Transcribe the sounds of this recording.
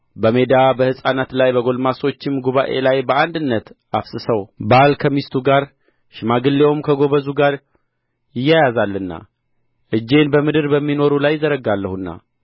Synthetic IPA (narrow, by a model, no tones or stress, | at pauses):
bəmed̪abəhɨsʼanat̪lajbəɡo̞lmaso̞t͡ʃːɪmɡuβaʔe̞lajbəand̪ɨnːət̪ | afsɨsəwbalkʰəmist̪ʰuɡaɾ | ʃɪmaɡɨlːewmkʰəɡo̞βəzuɡaɾ | jɪjːajazalːɨnːa̰ | ʔɨd͡ʒːe̞nbəmɨd̪ɨɾbəmːino̞ɾulajzəɾəɡalːəhunːa̰